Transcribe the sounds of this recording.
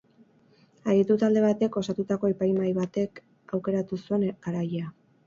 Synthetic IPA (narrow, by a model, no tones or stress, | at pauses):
aɣit̪ut̪ald̪e̞βat̪e̞ko̞sat̪ut̪ako̞epajmajβat̪e̞k | awke̞ɾat̪usue̞naɾajea